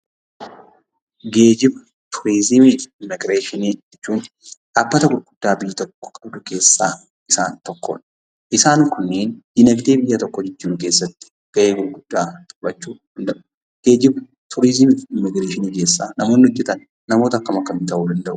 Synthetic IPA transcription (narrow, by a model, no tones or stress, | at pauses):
ɡe̞ːd͡ʒɪb | t̪ʰʊɾizɪmɪɪmːɪɡɾeːʃɪnid͡ʒɛt͡ʃːuːn | ᶑaːbːɐt̪ɐɡʊɾɡʊd̪̥ːaːbɪjːɐt̪ɔkːɔ̥kʼɐb̚d̪ʊke̞ːsːa̰ː | ɪsaːnt̪ɔkːɔ̰ːᶑɐ̥ | ʔɪsaːŋkʊnːeːnd̪̥ɪnɐɡt̪e̞ːbɪjːɐt̪ɔkːɔd͡ʒɛt͡ʃːuːnkeːsːɐt̪ːɪ̥ | ɡ̥ɐʔe̞ːɡʊɾɡʊd̪̥ːaːt̪ʼbɐt͡ʃːuːd̥̪ɐnd̪ɐʔʊ | ɡ̥e̞ːd͡ʒɪb | t̪ʰʊɾɪzɪmɪɪmːɪɡɾeːʃɪniːke̞ːsːa̰ːnɐmo̞ːnːɪhɔd͡ʒːɛt̪ɐnː | ɐmo̞ːt̪ɐɐkːɐmɐkːɐmɪt̪ɐʔuːd̪ɐnd̪ɐʔʊ̥